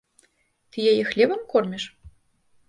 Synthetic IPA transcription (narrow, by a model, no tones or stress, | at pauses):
t̪ɨjajɛxlʲɛbɐmkɔrmʲiʂ